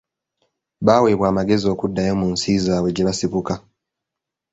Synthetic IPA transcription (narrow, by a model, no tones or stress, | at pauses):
βaːweːβwaːmaɡe̞zio̞ːkudːajo̞munsiːzaweɟiβasiβuka